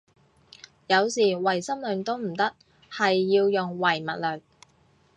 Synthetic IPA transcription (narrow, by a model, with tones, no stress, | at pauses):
jɐ˨˧wsiː˨˩wɐ˨˩jsɐ˥mlɵ˨˧ŋt̪o˥wm̩˨˩t̪ɐ˥k̚ | hɐ˨jːiː˧wjʊ˨ŋwɐ˨˩jmɐ˨t̚lœː˨˩k̚